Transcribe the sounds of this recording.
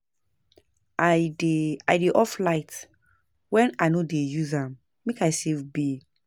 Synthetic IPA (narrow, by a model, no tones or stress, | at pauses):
adea̰jdeʔɔflaɪt | wɛ̃najnodejuzãm | mekajsevbi